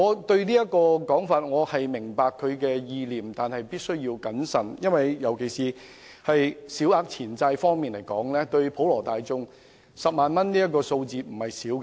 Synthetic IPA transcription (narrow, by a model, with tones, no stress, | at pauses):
ŋɔː˨˧t̪ɵ˧ɥniː˥jɐ˥t̚kɔː˧kɔː˨˥ŋfaː˧t̚ŋɔː˨˧hɐ˨jmɪ˨˩ŋpaː˨˧kʰːɵ˨˧ɥkɛː˧jiː˧liː˨˩mt̪aː˨nhɐ˨jpiː˥t̚sɵ˥ɥjiː˧wkɐ˨˥nsɐ˨˩njɐ˥nwɐ˨jjɐ˨˩wkʰe˨˩jsiː˨ | hɐ˨jsi˨˥waː˧˥k̚t͡sʰiː˨˩nt͡sɐ˧jfɔː˥ŋmiː˨nle˨˩jkɔ̰ː˨˥ŋlɛː˥t̪ɵ˧ɥpʰo˨˥wlɔː˨˩t̪aː˨jt͡sʊ˧ŋ | sɐ˨p̚maː˨nmɐ˥nniː˥jɐ˥t̚kːɔː˧so˧wt͡siː˨˧m̩˨˩hɐ˨jsiː˨˥wk